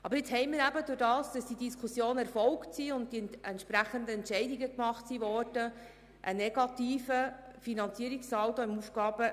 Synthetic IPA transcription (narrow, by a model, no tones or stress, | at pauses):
ɑb̥əɾɪt͡shɛɪmɪːɾæbədʊɾdɑːsd̥ɑsd̥idiskʰʊsjoːnɛɾfɔlktsiʊnt̚diɛntʃpɾæχəndəɛntt͡ʃɛɪdiɡəkmɑχtsiʋɔːrd̥ə | ʔənɛɡ̥ɑtiːfəfinɑnt͡siəɾiksɑltoɪmufɡ̥ɑːb̥ə